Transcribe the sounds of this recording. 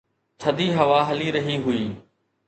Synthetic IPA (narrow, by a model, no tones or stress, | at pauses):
t̪ʰəd̪ʱiːɦɐʋaɦɐliɾɐɦiɦʊiː